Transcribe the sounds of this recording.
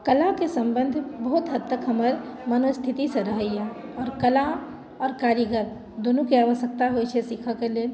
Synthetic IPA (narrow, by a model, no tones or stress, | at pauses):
kəlakesə̃mbənd̪ʱbəɦut̪ɦəd̪t̪ːəkɦəməɾmənost̪ʰit̪isə̃ɾəɦəjjɛ̃ɔːɾkəla | ɔːɾkaɾjəɡəɾm | d̪onukeaʋəʃək̚t̪aɦojt͡ʃʰɛsikʰəkelel